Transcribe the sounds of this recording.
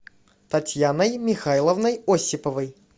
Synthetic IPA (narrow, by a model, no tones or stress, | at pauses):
t̪ɐtʲjanəjmʲɪxajlˠəvnəjosʲːɪpəvəj